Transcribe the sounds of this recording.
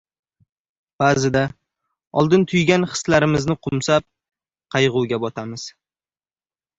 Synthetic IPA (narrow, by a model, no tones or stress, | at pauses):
b̥aːzɪd̪a | ɒlˠd̪ɪnt̪ʰʊjɡʲanχɨ̥slaɾɪmɪznɪqʰʊmsap̚ | qʰɑjʁʊwɡʲabɒt̪ʰamɪz̥